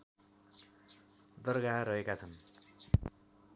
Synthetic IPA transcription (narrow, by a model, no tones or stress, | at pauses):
d̪ʌrɡaɾʌɦekat͡sʰʌn